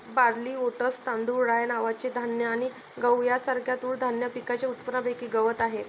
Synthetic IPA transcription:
baɾliːoʈəst̪ãnd̪ʱuɾɾajnaʋat͡ɕed̪ʱanjəaɽ̃i | ɡəwjasaɾkʰjat̪uːɭd̪ʱanjəpikat͡ɕeut̪pəɾabekiːɡəʋət̪aɦe

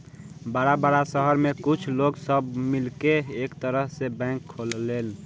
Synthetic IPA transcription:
baːɾabaːɾasəɦəɾmekut͡ʃʰloɡsəbmilkeekt̪əɾəɦsebɛ̃ŋkʰːolːeːl

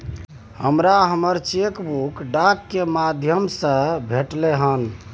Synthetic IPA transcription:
həmɾaɦəməɾt͡ʃekbukɖakːemad̪ʱjəmsə̃bʱeʈleɦən

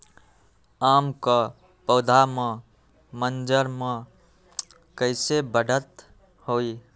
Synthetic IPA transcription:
amkə | pəːd̪ʱame | mənd͡ʒəɾme | kəɪsebəɽət̪ | hoi

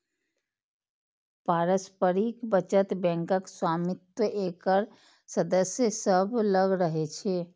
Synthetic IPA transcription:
paɾəspəɾikbət͡ʃət̪bɛ̃ŋkəkswamit̪wəʔekəɾ | səd̪əsjəsəbʱləɡɾəɦet͡ʃʰe

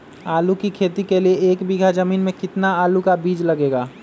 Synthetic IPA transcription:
aːlukikʰeːt̪ikelieeːkbiɡʱad͡ʒəmiːnmẽkɪt̪naaːlukabiːd͡ʒlɐɡeːɡaː

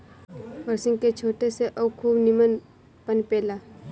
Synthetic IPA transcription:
ʋəɾsɪ̃ŋɡket͡ʃʰoːʈeseʔɔbkʰuːbnɪmən | pənpeːlaː

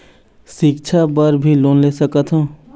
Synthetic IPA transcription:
sɪk̚t͡ʃʰabəɾbʱiloːnlesəkət̪ɦũ

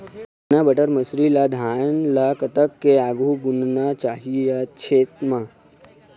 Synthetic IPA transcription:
nabəʈəɾməsɾilad̪ʱanlakət̪əkːeaɡuɡunnat͡ʃaɦijaɕʰeːt̪ma

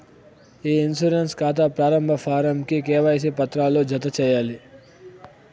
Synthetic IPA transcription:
iːinsuɾenskaːt̪aːpɾaːɾɐmbʱɐfʰaːɾɐmkikɛːʋɐjɐs̬ipɐt̪ɾaːloːd͡ʒʱɐt̪̬ɐt͡ʃɛːjaːli

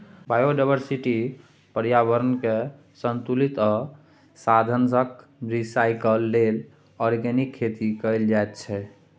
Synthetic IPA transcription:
bajoɖajbəɾsiʈi | pəɾjabəɾənke | sənt̪ulit̪ɔ | sad̪ʱənsək̚ | ɾisajkəlːel | ɔɾɡenikʰːet̪ikəjld͡ʒajt̪t͡ʃʰɛ

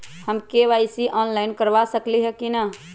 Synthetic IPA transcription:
həmkeʋaɪsiʔɔːnlaɪnkəɾʋasəkliɦɛkina

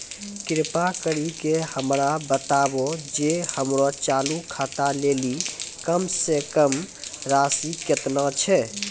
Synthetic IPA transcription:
kɪɾpakəɾikehəmɾabət̪abod͡ʒehəmɾot͡ʃalukʰat̪alelikəmsekəmɾasikət̪nət͡ʃʰɛ

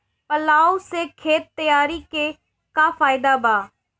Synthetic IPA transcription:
pəlaːosekʰeːt̪ːəjaːɾike | kapʰaːɪd̪abaː

